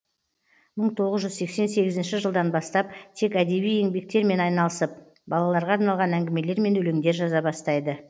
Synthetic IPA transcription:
məɴt̪ʰo̞ʁəzʒʏzse̞kse̞nse̞ɡʲɪzɪnʃɪʒəlˠd̪ɑnbɑst̪ɑp̚t̪ʰe̞kæd̪e̞βije̞ŋbe̞k̚t̪e̞ɾme̞nɑjnɑlˠəsəp̚ | bɑlˠɑlˠɑɾʁɑːɾnɑlˠʁɑnæŋɡʲɪme̞le̞ɾme̞nɵle̞ŋd̪e̞ɾʒɑzɑbɑst̪ɑjd̪ə

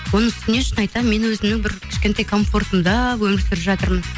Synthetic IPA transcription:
wo̞nəŋʏst̪ɪne̞ʃənɑjt̪ɑme̞nwɵzɪmnɪŋbɪɾkʲʰɪ̥ʃkʲe̞nt̪ɑjkʰo̞ɱfo̞rt̪əmd̪ɑwɵmɪɾsɪɾɪpʒɑt̪əɾmən

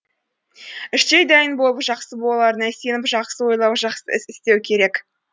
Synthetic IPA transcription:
ɪʃt̪ejd̪æjənbo̞lˠəpʒɑqsəbolˠɑlˠɑɾənæse̞nɪpʒɑqsəwo̞jlˠɑwʒɑqsə̰ʔɪsɪst̪e̞wkʲʰe̞ɾe̞k

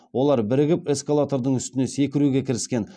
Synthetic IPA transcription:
wo̞lˠɑɾbɪɾɪɡʲɪpe̞skalˠat̪oɾd̪əɴʏst̪ɪne̞se̞kʲɪɾuɡʲe̞kʲʰɪɾɪskʲe̞n

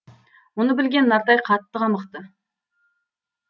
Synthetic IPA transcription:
wonəbɪlɡʲe̞nːɑɾt̪ɑjqʰɑt̪ːəqɑməqt̪ə

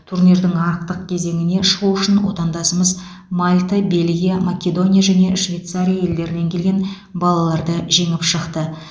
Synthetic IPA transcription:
t̪ʰurnijɾd̪ɪŋɑɾəq̚t̪əq̚kʲʰe̞ze̞ŋɪne̞ʃəʁuʏʃɪnwo̞t̪ɑnd̪ɑsəməz | malʲt̪abe̞lɡʲijamakʲe̞d̪o̞nʲijaʒæne̞ʃvʲe̞jt̪saɾʲijaje̞ld̪e̞ɾɪne̞ŋkʲʰe̞lɡʲe̞n | bɑlˠɑlˠɑɾd̪əʒe̞ŋɪpʃəqt̪ə

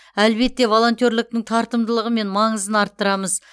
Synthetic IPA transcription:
ælbe̞t̪ːe̞vo̞lˠo̞nt̪joɾlɪk̚t̪ɪŋt̪ʰɑɾt̪əmd̪əlˠəʁəme̞nmɑɴəzənɑɾt̪ːəɾɑməz

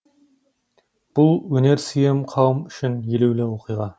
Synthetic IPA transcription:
b̥ulˠɵneɾsijemqʰɑwmyʃynjeluwlɛwoqʰijʁɑ

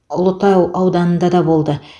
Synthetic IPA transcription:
ʊlˠət̪ɑwɑwd̪ɑnənd̪ɑd̪ɑbo̞lˠd̪ə

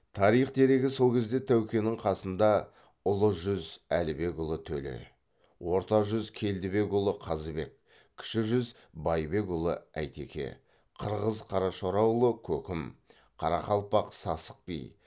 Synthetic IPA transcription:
t̪ʰɑɾijχd̪e̞ɾe̞ɡʲɪso̞lˠkʲʰe̞zd̪e̞t̪ʰæwkʲe̞nɪɴqʰɑsənd̪ɑ | ʊlˠəʒʏzælɪbe̞kʊlˠət̪ʰɵlɪ̰ | wʔo̞ɾt̪ɑʒʏzkʲʰe̞ld̪ɪbe̞kʊlˠəqʰɑzəbe̞k̚ʲʰː | ɪ̥ʃɪʒʏz | bɑjbe̞kʊlˠə̰æ̰jt̪e̞̰kʲe̞̰ | qʰəɾʁəzqʰɑɾɑʃoɾɑwlˠəkʲʰɵkʲɪm | qʰɑɾɑqɑlˠpɑqsɑsə̥q̚pḭj

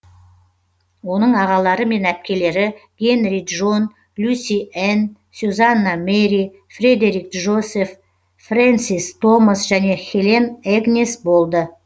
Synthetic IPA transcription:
wo̞nəɴɑʁɑlˠɑɾəme̞næp̚kʲe̞le̞ɾɪɡ̥ʲe̞nɾiʒo̞n | lʲusʲien | suzanːameɾi | fred̪eɾik̚ʒo̞se̞fː | rant̪sist̪ʰo̞məsʒæne̞xʲeleneɡnʲesbo̞lˠd̪ə

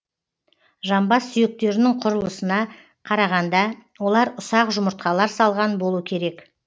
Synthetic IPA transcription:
ʒɑmbɑsːʏjɪk̚t̪e̞ɾɪnɪŋqʰʊɾəlˠəsənɑ | qʰɑɾɑʁɑnd̪ɑwo̞lˠɑɾʊsɑqʒʊmʊɾt̪̚qɑlˠɑɾsɑlˠʁɑnbo̞lˠuəkʲʰe̞ɾe̞k

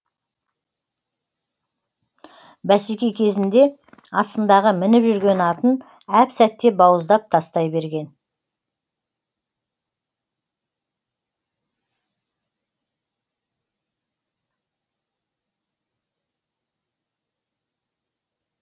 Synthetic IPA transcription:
bæsikʲejkʲʰe̞zɪnd̪e̞ | ɑst̪ənd̪ɑʁəmɪnɪpʒʏɾɡʲe̞nɑt̪ən | æpsæt̪ːe̞bɑwəzd̪ɑp̚t̪ʰɑst̪ɑjbe̞ɾɡʲe̞n

